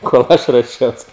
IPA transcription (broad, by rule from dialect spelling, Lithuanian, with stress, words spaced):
koːlˠ ˈɐʃ ruɔˈʃʲɛʊs